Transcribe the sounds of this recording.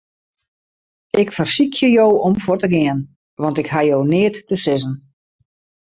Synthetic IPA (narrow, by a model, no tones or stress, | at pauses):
ɪkfərsikʰjəjowɔmfotəɡɪən | ʋɑntɪkɦajownɪətːəsɪzən